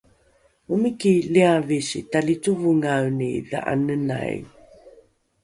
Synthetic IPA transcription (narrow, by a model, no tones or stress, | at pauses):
umikiliavisḭtalit͡suvuŋawniða̰ʔa̰nəna̰j